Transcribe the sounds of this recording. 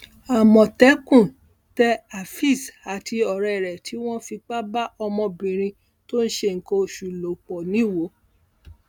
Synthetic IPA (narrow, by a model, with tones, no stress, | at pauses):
a˨mɔ̃˨tɛ˨˦kũ˦˨ | tɛ˧˦a˨fi˦˨sa˨tʰi˧ɔ˨ɾɛ˨ɾɛ˨tʰi˨˦w̃ɔ̃˦fi˧k͡pa˦ba˦ʔɔ˧mɔ̃˧bĩ˨ɾ̃ĩ˧ | to˦n̩˦ʃe˧˨ŋ̩˨ko˧˨ʃu˨lo˨k͡pɔ˨nĩ˨˦˨wo˨˦